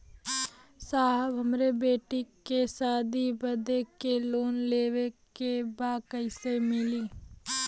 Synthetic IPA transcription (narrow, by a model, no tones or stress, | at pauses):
saːɦbɦəmɾebeːʈikesaːd̪ibəd̪ekeloːnleːʋekebaːkəɪsemɪliː